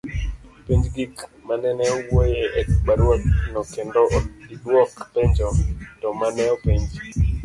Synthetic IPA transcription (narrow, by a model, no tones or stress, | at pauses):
piɲd͡ʒɡikmanɛnɛɔwojeʔɛkbaɾwɔt̚nɔkendɔʔɡidwɔkpeɲd͡ʒɔtɔmanɛɔpeɲd͡ʒ